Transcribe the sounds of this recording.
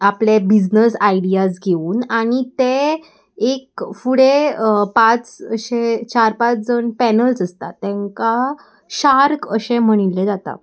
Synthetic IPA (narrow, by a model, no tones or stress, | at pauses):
aplebid͡znəsaiɽijas̬ɡʱeuːnaɽ̃it̪ẽ | ekfuɽepat͡sɕet͡ɕaɾpat͡sd͡zəɳpɛnəlsəst̪at̪ɛ̃ŋka | ɕaɾkəɕẽm̤əɽ̃iled͡zat̪a̰